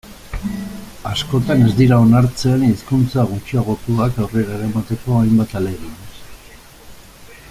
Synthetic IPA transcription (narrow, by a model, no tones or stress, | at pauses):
asko̞t̪ane̞zd̪iɾao̞naɾt͡seniskunt͡saɣ̞ut͡ʃiaɣ̞o̞t̪uakawre̞ɾaeɾamat̪e̞ko̞ajmbat̪ale̞ɣies